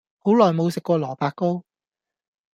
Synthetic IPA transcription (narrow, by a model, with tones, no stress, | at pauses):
ho˨˥wlɔː˨˩jmo˨˧wsɪ˨kːʷɔː˧lɔː˨˩paː˧kːo˥w